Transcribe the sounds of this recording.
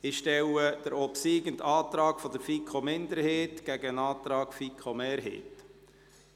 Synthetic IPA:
ɪʃtɛwəd̥əɾɔpsiːɡənt̪ɑːt̪ɾɑːkfɔd̪əfikʰomɪnd̪əɾheːtɡ̥æɡənɑːt̪ɾɑːkfikʰomeːɾɦḛːt

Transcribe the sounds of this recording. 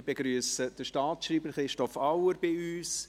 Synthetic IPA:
b̥ɛɡɾyəsəd̥əʃtɑːtʃriːbəɾχɾɪʃtɔfɑwəɾbɪyːs

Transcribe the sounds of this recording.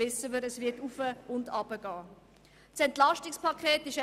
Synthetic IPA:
ɪsəməɾəsvɪɐtufəʊndɑbəɡ̥ɑː | sɛntlɑʃtɪkspɑkʰeːtɪʃ

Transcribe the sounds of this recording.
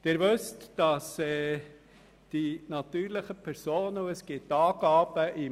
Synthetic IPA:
d̥̪ɪɾʋʉstd̥ɑsɛː | d̥inɑt̪yːɾləχəpʰɛɾsoːnəuəsɡ̥ɪtːɑːɡɑːb̥əʔi

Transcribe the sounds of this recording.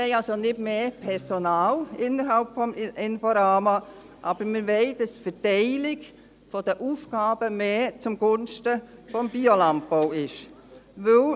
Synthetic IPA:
ɛɪɑlsonɪdmeːpʰɛɾsonaːlɪnːəɾɦalpfɔmɪnfoɾaːma | ʔɑːb̥əɾməʋeɪdɑsfətɛɪlɪɡ | fɔd̥əʔuːfɡ̥aːb̥əmeːt͡sʊmɡ̥ʊnʃtəfɔmbiolɑn̚bowɪʃ | ʋøl

